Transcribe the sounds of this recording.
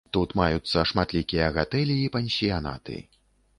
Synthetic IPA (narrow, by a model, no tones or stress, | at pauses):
t̪ut̪majut̪sːɐʂmat̪lʲikʲijɐɣat̪ɛlʲiːpɛnʲsʲijana̰t̪ɨ̰